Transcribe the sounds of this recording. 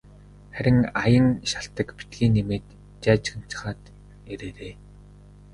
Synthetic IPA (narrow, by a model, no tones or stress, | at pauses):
χæɾʲɪ̆ŋajə̆ŋʃaɬt̪ə̆kpi̥t̪ɡiːnːemeːt̪ | t͡ɕæːt͡ɕxə̆n̥t͡ɕɪ̥̆χaːt̪ | eɾeːɾeː